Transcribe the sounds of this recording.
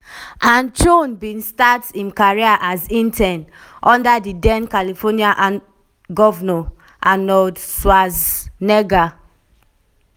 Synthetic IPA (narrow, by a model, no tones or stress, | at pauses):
ʔãnt͡ʃonbĩnstatĩnkaɹiaʔazĩntʰɛ̃n | ʔɔ̃ndadidɛ̃nkalifɔniaʔ | ɡɔvnɔ | ʔanɔdswaznɛɡa